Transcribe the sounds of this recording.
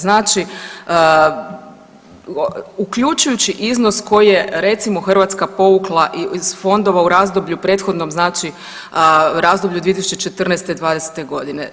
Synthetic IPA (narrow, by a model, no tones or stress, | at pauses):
znaːt͡ʃiə | ukʎut͡ʃujut͡ɕiʔizno̞sko̞jije̞ɾe̞t̪simo̞xr̩ʋat̪skapo̞ʋuklˠaʔiz̥fo̞nd̪o̞ʋauɾaːzd̪obʎupɾe̞ːt̪xo̞d̪no̞mznaːt͡ʃi | ɾazd̪obʎud̪ʋiet̪isu̥t͡ʃet͡ʃe̞t̪r̩nɛjst̪ed̪ʋaːd̪ese̥t̪e̞ɡo̞d̪ine̞